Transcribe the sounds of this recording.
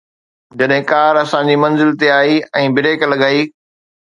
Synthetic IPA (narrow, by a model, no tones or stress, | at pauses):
d͡ʑɐɗɦɪ̃kaːɾɐsãd͡ʑiːmɐ̃nzɪlt̪eaːiɛ̃ːbɪɾeːklɐɡaːiː